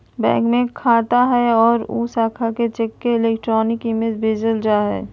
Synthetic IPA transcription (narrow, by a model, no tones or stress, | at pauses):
bɛ̰̃ːŋkmẽkʰaːt̪aɦɛɔːɾṵːsaːkʰaket͡ʃekːeɪleːkʈɾɔːnɪkimed͡ʒbʱeːd͡ʒəld͡ʒaɦɛ̰ː